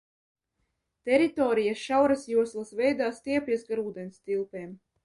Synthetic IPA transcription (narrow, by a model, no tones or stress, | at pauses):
t̪ɛɾit̪ɔːɾijaʃawɾasjuɔslˠasvɛjd̪aːst̪iɛpʲiɛsɡaɾuːd̪ɛnst̪ʲilˠpeːm